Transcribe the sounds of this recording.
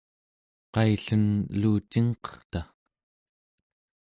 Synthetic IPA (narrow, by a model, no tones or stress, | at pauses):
qɑjɬənluːt͡ʃiŋqʌ̥χt̪a